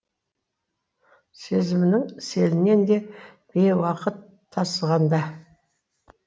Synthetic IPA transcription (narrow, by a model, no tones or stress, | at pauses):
se̞zɪmɪnɪŋse̞lɪne̞nd̪e̞b̥ewɑqət̪ʰːɑsəʁɑnd̪ɑ